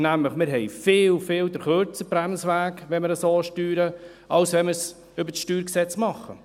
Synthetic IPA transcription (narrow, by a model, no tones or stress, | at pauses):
næmləχmɪɾɦɛjfɪːlfɪːld̪əɾχøɾt͡səbɾæmsʋæːkʋɛnməɾəsoːʃtyːɾə | ɑlsʋɛnməɾs | ʏbəɾsʃtyːɾksɛt͡smɑχːə̰